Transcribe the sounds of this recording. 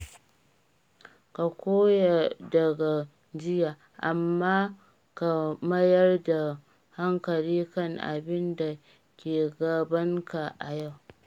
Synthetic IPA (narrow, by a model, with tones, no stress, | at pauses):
ka˨kʷoː˦ja˨dɐ˨ɡa˨ | d͡ʒɪ˦jaː˨ | ʔa˨mːaː˦ | ka˨mɐ˦jɐ˦rda˨ | ha˦ŋkɐ˨liː˦kɐ˦˨ŋʔa̰˨bɪ˦nda˨ | kʲeː˨ɡɐ˨bɐ˦ŋka˨ʔa˨ja˦˨w